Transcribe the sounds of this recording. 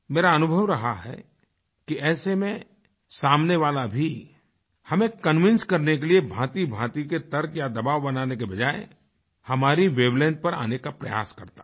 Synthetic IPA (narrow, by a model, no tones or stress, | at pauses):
meːɾaɐnʊbʱəʋɾɐɦaɦɛ̰ | kiɛːsemẽ | saːmneʋaːlabʱi | hɐmẽkɐnʋɪ̃nskɐɾnekeliebʱãːt̪ibʱãːt̪iket̪ɐɾkjad̪ɐbaːʋbɐnaːnekebɐd͡ʒaːe | hɐmaːɾiʋeːblɛ̃ːnʈ̚pɐɾa̰ːnekapɾɐja̰ːskɐɾt̪ḁː